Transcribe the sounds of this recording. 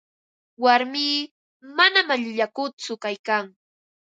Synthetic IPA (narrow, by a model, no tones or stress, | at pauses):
waɾmiː | manamaʎʊʎakʊt͡sʊkajkaŋ